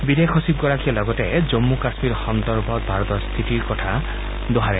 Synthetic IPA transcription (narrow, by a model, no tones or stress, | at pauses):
bid̪ekʰɔsib̚ɡɔɾakijalɔɡɔted͡ʒomːukasmiɾxɔnd̪ɔɾbʱɔbʱaɾɔt̪ɔst̪ʰit̪iɾkɔtʰa | d̪oɦaɾɛ